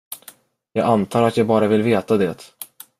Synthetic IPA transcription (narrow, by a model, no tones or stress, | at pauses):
jɑːɡant̪ʰɑːɾat̪jɑːɡbɑːɾavɪlveːt̪ad̪ɛt̪